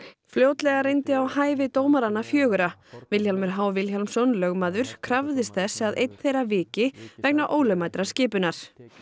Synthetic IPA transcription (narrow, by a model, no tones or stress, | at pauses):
fljoːwt̪lɛɣarejnt̪ɪawhaːjvɪt̪oːwmaɾanːafjœːɣʏɾavɪljçalmʏɾ̥ɦawvɪlçalmsɔnlœɣmaːðʏɾ̥kʰɾavðɪst̪θɛsaðʔḛjt̪n̥θejɾavɪːcɪvɛk̚naʔoːwlʏmaːjt̪ɾascɪːpʏnaɾ̥